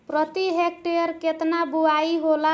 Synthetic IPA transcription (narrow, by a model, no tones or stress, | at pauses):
pɾət̪iɦek̚ʈejəɾket̪nabuaiɦola